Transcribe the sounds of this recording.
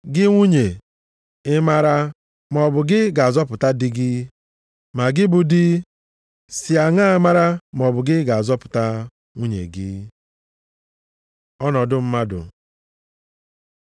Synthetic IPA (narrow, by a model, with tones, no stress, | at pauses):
ɡɪ˦ŋʷu˦ɲe˨ | ɪ˦ma˦ɾa˦ | mɔ˨bʊ˨ɡɪ˦ɡa˨a˨zɔ˦pʊ˨ta˦dɪ˦ɡɪ˦ | ma˨ɡɪ˦bʊ˨dɪ˦ | sɪ˨a˨ŋa˦ma˦ɾa˦m˨ɔ˨bʊ˨ɡɪ˦ɡa˨a˨zɔ˦pʊ̥˨ta˦ | ŋʷu˦ɲḛ˨ɡɪ˦ | ɔ˦nɔ˨dʊ˦m̩˦ma˦dʊ̰˨